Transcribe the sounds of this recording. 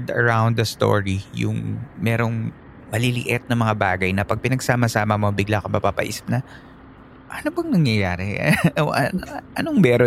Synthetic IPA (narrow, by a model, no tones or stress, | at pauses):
d̪ɐ̰ɹawnd̪dɐst̪o̰ːɹijʊ̰ŋmɛːɾo̞ŋ | mɐlɪlɪ̰ʔɪt̪̚nɐŋmɐŋabaːɡɐjnɐpɐɡ̚pɪnɐɡsaːmɐsaːmɐmɐbɪɡlakɐmɐpapɐ̰ʔḭːsɪ̥p̚nɐ | ʔɐnobɐŋnɐŋjɐjaːɾɛoʔɐnoʔɐnoŋmɛːɾo